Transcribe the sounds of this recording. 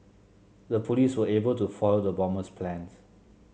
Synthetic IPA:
dəpʰoliswəebəltufɔlodəbɔ̃məspʰlɛ̃ns

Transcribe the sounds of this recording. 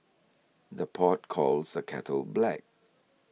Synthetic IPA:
ðəpʰɔt̚kʰɔlsdəkʰɛ̰tʰəlblɛ̰k̚

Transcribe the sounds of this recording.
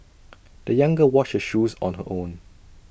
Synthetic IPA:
d̥əjãŋɡəwɔt͡ʃhəʃuːzɔ̰̃nɦə̰ʔõːn

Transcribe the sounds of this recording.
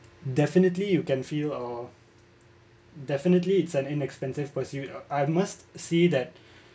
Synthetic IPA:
dɛfɪnətlijukɛ̃nfilə | dɛfɪnətliːtsɛ̃nɪ̃nɛkspɛ̃nsɪv̥pəsjutaɪmastsed̪ɛt̚

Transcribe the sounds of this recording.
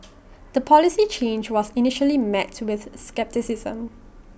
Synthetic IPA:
d̪̥əpʰɔlisit͡ʃʰẽnd͡ʒwɔsinɪʃəlimɛtwɪθskɛp̚tisɪzə̰̃m

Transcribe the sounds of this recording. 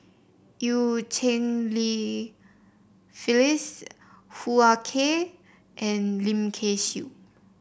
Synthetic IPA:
jut͡ʃʰẽnli | filis | huakʰe | ʔɛ̃nlĩmkʰeʃṵ

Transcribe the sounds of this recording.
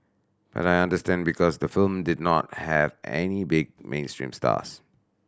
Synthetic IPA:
b̥a̰tajãndəstɛ̃nbikʰɔsd̪əfɪlmdɪdnɔt̚hɛvɛ̰nibɪɡ̚mʔḛ̃ːnstɹḭ̃msta̰s

